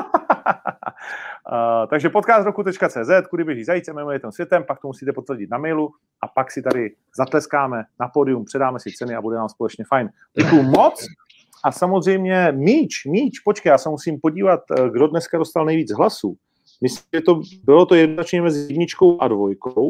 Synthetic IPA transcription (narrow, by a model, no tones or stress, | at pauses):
t̪aɡʒɛpo̞t̪̚kaːst̪ɾokut̪ɛt͡ʃkat͡sɛːzɛt̪kudɪbjɛʒiːzajit͡sɛmɛmɛjɪt̪ɛmsvjɛt̪ɛmpak̚t̪omusiːt̪ɛpo̞t̪vɾɟɪt̪̚namɛjlu | ʔapaksɪt̪aɾɪ | zat̪lɛskaːmɛnapo̞ːdɪjumpr̝̥ɛdaːmɛsɪt͡sɛnɪabudɛnaːmspolɛt͡ʃɲɛfajn | ɟɛkujumo̞t͡s | ʔasamozr̝ɛjmɲɛmiːt͡ʃmiːt͡ʃpo̞t͡ʃkajaːsɛmusiːmpo̞ɟiːvat̪ɡdo̞dnɛskado̞st̪alnɛjviːd͡zɦlasuː | mɪsɛt̪obɪlot̪o̞jɛdnonat͡ʃɲɛmɛzɪzɛdɲɪt͡ʃko̞wʔadvojkow